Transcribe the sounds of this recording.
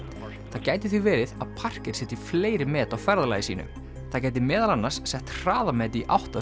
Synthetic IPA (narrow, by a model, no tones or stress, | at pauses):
θaðcaːjt̪ɪθʏvɛːɾɪðaðpʰar̥cɪɾ̥ɛːht̪ɪfleːjɾɪmɛːt̪awfɛɾðalaːjɪsiːnʏ̰ | θaðcajt̪̬ɪmɛːðalanːaɾ̥sːɛht̪r̥aːðamɛːt̪̬iʔa̰wht̪a